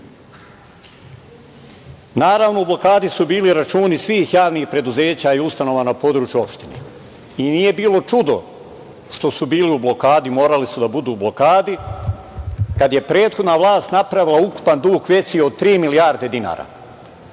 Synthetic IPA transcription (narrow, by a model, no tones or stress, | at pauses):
naːɾaʋnoublo̞kaːd̪isubiːliɾat͡ʃuːnisʋiːxjaːʋniːxpɾe̞d̪uze̞ːt͡ɕaiust̪ano̞ʋanapo̞d̪ɾuːt͡ʃjuo̞pʃt̪inḛ | iniːje̞biːlˠo̞t͡ʃud̪o̞̰ | ʃt̪o̞subiːliublˠo̞kaːd̪imo̞ːɾalisud̪abud̪uːblˠo̞kaːd̪i | kad̪je̞pɾe̞ːt̪xo̞d̪naʋlˠaːst̪napɾaʋilˠauku̥pand̪uːkʋje̞sio̞d̪̚t̪ɾiːmilijaːɾd̪e̞d̪ina̰ːɾa̰